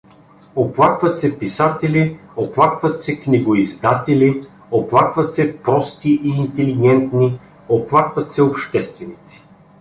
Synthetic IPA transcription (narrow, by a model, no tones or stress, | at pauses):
oplˠakvɐt̪sɛpisat̪ɛlioplˠakvɐt̪sɛknʲiɡoizd̪at̪ɛlʲi | oplˠakvɐt̪sɛpɾɔst̪iʔiːnt̪ɛliɡ̟ɛnt̪ni | oplˠakvɐt̪sɛopʃt̪ɛst̪vɛnit̪si̥